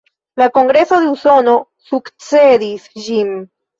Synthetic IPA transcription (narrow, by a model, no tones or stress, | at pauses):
lako̞ŋɡɾe̞so̞d̪euso̞no̞ | sukt͡se̞d̪isd͡ʒin